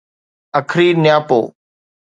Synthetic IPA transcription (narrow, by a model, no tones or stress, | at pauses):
əkʰɾiːnɪjaːpo̰ː